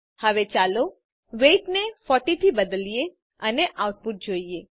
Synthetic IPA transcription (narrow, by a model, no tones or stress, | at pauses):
həʋet͡ʃalo | ʋeʈnefɔʈit̪ʰibəd̪əlije | əneʔawʈ̚puʈ̪̚d͡ʒoie